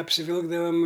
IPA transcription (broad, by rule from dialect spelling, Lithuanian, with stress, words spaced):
ɐpʲsʲɪˈʋʲɪlˠɡdɐʋɐm